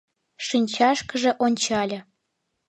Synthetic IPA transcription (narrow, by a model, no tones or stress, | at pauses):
ʃinʲt͡ɕɑʃkə̆ʒĕʔonʲt͡ɕɑlʲɤ̆